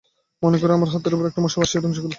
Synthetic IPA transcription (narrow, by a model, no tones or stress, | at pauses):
monekɔɾeamaɾɦɔt̪ːoɾopoɾɛk̚ʈamɔʃabaʃiɛt̪omʃ̬ɔɡol